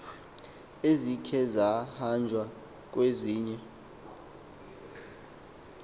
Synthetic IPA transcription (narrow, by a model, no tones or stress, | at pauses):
ezikʰɛzahand͡ʒʱwa | k̬ʼweziːɲɛ